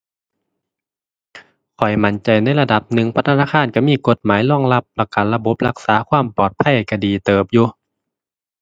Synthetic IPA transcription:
kʰɔ˨˩jma˨˦nt͡ɕa˨˩jna˧˥˨jla˧da˧˦p̚nɯ˨˩ŋpʰa˧t̪ʰa˧˥naː˧˩kʰaː˧˥˨nka˧˩miː˧˥˨ko˧˦t̪̚maː˨˦jlɔ˧˥˩ŋla˧˩p̚lɛ˧˩kaː˨˩nla˧bo˧˦p̚la˧k̚saː˨˦kʰwaː˧˥˨mpɔː˨˩t̪̚pʰa˧˩˨jkʰa˧diː˨˩t̪ɤː˨˩p̚juː˧

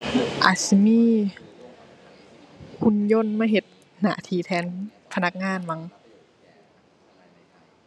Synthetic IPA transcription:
ʔa˨˩si˧miː˥˩ | kʰu˧˨njo˧˥˨nma˧˩˨ɦe˨˩t̪̚ | na̰˧˦t̪ʰiː˧˩t̪ʰɛː˧˥n | pʰa˧na˦˥k̚ŋaː˧˥˨nma˧˥ŋ

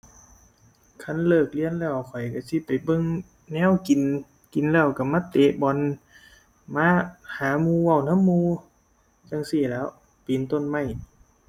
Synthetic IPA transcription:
kʰa˧˥˩nlɤː˧˩k̚li˧˥˨ənlɛː˧˩wkʰɔ˨˩jka˧˩si˧˦pa˨jbɤ˧˥˨ŋ | nɛː˧˥˨wki˨n | ki˨nlɛː˧˩˨wka˧˩maː˧˥˨t̪eː˨˧˦ʔbɔ˨n | maː˧˥˨haː˨˦muː˧˨wa˧˩˨wna˧˥˨mːuː˧ | t͡ɕa˧˥˨ŋsi˧˩˨lɛː˦˧˥w | piː˨nt̪o˧˨nma˧˩j

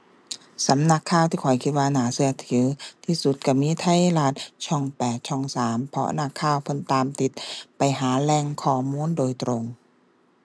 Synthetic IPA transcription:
sa˨˦mna˧˥kʰːaː˧˩wt̪ʰiː˧˩kʰɔ˨˩jkʰi˧t̪̚waː˧naː˩˦sɯ˧ɐt̪ʰɯː˨˩˦t̪ʰiː˧˨su˧˦t̪̚ka˧˩miː˧˥˨t̪ʰa˧˥˨jlaː˧˩t̪̚t͡ɕʰɔ˧˩ŋpɛː˨˩t̪̚t͡ɕʰɔ˧˩ŋsaː˩˦mpʰɔ˧ʔnaː˧˩kʰaː˧˥˩wpʰɤ˧˥˨nt̪aː˨mt̪i˧˦t̪̚pa˨jɦaː˩˦lɛː˧˩ŋkʰɔː˧˩muː˧˥˨ndoː˨jt̪ɾo˧ŋ

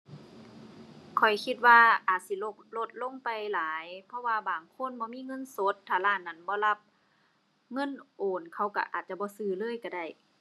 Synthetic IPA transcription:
kʰɔ˨˩jkʰi˧t̪̚waː˧ʔaː˨˩t̪̚si˧˦lo˧klo˧t̪̚lo˧˥˨ŋpa˨jlaː˨˦jpʰɔ˧waː˧baː˨˩ŋkʰo˧˥˨nbɔː˧˦miː˧˥˨ŋɤ˧˥˨nso˧˦t̪ʰːaː˧˩laː˧˥˨nːa˧˩˨nbɔː˧˦la˧˩p̚ | ŋɤ˧˥˨nʔoː˨˩nkʰa˧˩wka̰˧˩ʔaː˨˩t̪̚t͡ɕa˧˦bɔː˧˦sɯː˧˩lɤː˧˥˨jka˧˩da˧˩j

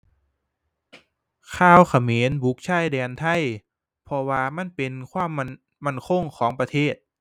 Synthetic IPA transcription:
kʰaː˧˥˩wkʰa˧˩meː˨˦nbu˨˦˥k̚t͡ɕʰa˥˩jdɛː˧nt̪ʰa˥˩˨j | pʰɔ˧waː˧ma˥˨npe˧nkʰwaː˥˨mːa˧˥˨n | ma˥˩nkʰo˧˩ŋkʰɔː˩˦ŋpɾa˧t̪ʰeː˥˩t̪̚

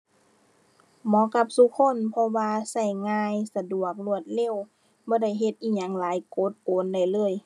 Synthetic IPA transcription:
mɔː˨˦ka˧˦p̚su˧kʰo˧˥˨npʰɔ˧waː˧sa˧˩jŋaː˧jsa˧du˨˩ək̚lu˧˩ət̪̚le˧˨w | bɔː˧˦da˧˥˩jɦe˧˦t̪̚ʔiː˧˩ɲa˨˧˦ŋlaː˨˦jkoː˨˦t̪̚koː˨˦nda˧˩jlɤː˧˥˩j

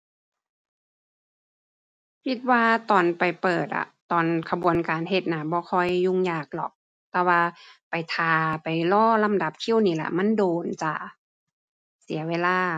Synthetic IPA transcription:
kʰi˧t̪̚waː˧t̪ɔː˨˩npa˨˩jpɤː˨˩t̪̚la̰˧˩t̪ɔː˨˩nkʰa˧bu˨ənkaː˨nɦe˧t̪̚na˧˩bɔː˧˦kʰɔ˧˩jːu˧˥ŋjaː˨˩k̚lɔ̰˨˩k̚ | t̪ɛː˧waː˧pa˨jt̪ʰaː˨˧pa˨˩jlɔː˧˥˩la˧˨mda˧˦p̚t̪ʰi˧˥˩wniː˧˩la̰˧˨ma˧˥˨ndoː˨nt͡ɕa̰˧˩ | si˨˦ɐweː˧˥˨laː˧˥˩

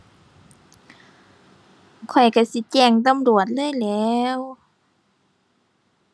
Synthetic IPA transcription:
kʰɔ˨˩jka˧˩si˧˦t͡ɕɛː˧˩ŋt̪a˧˨mdu˨˩ət̪̚lɤː˧˥˨jlɛː˧˦w

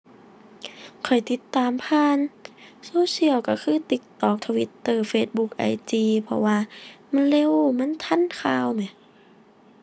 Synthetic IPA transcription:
kʰɔ˨˩jt̪i˧˦t̪ːaː˧mpʰaː˧˥˨nsoː˧˥˦si˧˩əwka˧˩kʰɯː˧˥˨t̪i˧˦k̚t̪ɔː˨˩k̚t̪ʰa˧wi˧˦t̪ːɤː˧˩feː˧t̪̚bu˧˦k̚ʔa̰˧˩jt͡ɕ̪iː˧pʰɔ̰˧waː˧˩ma˧˥˨nle˧˥˨wma˧˥˨nt̪ʰa˧˥˨nkʰaː˧˩wma˨˧˩j

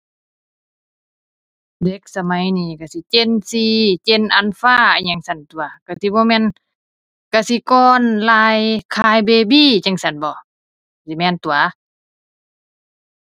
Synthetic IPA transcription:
de˧˦k̚sa˧ma˨˦jniː˧˩ka˧˩si˧˦t͡ɕe˧˨nsiː˧t͡ɕe˧˨nʔa˧˨nfaː˧˨˧ɲa˧˦ŋsa˧˩nt̪u˨a˨˦ka˧˩si˧˦bɔː˧˦mɛː˧˥˨n | ka˧˩si˧˦kɔː˧nlaː˧jkʰaː˧jbeː˧biː˧˨t͡ɕa˧ŋsa˧˩nbɔː˨˧˦ | si˧˨˦mɛː˧˨nt̪u˨a˦

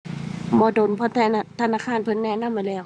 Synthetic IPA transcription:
mɔː˧˦do˨˩˨npʰɔ˧˦t̪ʰɛ˧˩˧t̪ʰa˧naː˧˨kʰaː˧˥˨npʰɯ˧˨nːɛː˧˨na˧˥˨mːa˧˨lɛː˧˩˨w

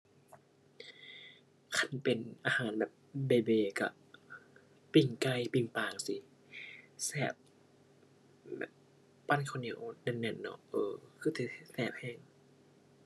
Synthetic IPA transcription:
kʰa˧˥˩npe˨nʔaː˧haː˨˦nbɛː˨˩p̚beː˧˩beː˧˩ka̰˧˩ | pi˧˩ŋka˧˨jpi˧˩ŋpaː˨˩ŋsi˧˦ | sɛː˧˩p̚ | bɛ̰ː˨˩p̚ː | a˧˨nkʰa˧˨ni˧˩ə̰˨nɛ˧˩nɛ˧˩˨nːɔ̰˧ʔɤː˧˩kʰɯː˧˩t̪ɛ˧˩˧sɛː˧˩p̚hɛː˧˩ŋ

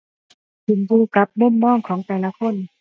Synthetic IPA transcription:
su˨˩˦mbuː˧ka˧˦p̚mo˧˥˨mːɔː˥˨ŋkʰɔː˩˦ŋt̪ɛː˨˩la˧˥kʰo˧˥˨n

